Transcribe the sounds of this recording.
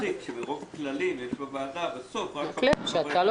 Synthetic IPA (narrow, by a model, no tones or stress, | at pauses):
ikʃebeʁovaklalimjeʃbavaːd̪abesofʁaleʃeatal